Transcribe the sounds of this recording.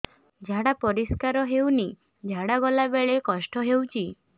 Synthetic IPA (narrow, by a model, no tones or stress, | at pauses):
d͡ʒʱaɽapɔɾiskaɾɔɦewni | d͡ʒʱaɽaɡɔlabeɭekɔsʈɔɦewt͡ʃʰi